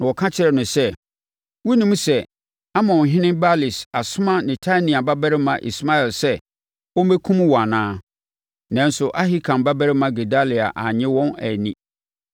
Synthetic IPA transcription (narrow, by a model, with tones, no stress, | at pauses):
nã˨wɔ˨kʰã˦t͡ɕʰɪ˦ɾɛ˨nʊ̃˨sɛ˦ | wʊ˦nĩ˦m˦sɛ˦ | a˦mɔ̃˨ɦɪ̃˦nɪ̃˦mba˦li˨sa˨sʊ˦mã˦nɪ̃˨tʰa˦nĩ˨a˨ba˦bæ˦ɾɪ˦mã˨ʔḭ˨sma˦ɛ˨lsɛ˦ | wɔ̃˦m˦ɛ˦kʰũ˦m˦wɔ˨a˨nãː˦ | nã˦nsʊ˨ʔa˦ɦɪ˦kʰã˨mba˦bæ˦ɾɪ˦mã˨ɡe˨da˦li˨a̰˨ʔa˨ɲɪ̃˦wɔ̃˦næ˨nĩ˦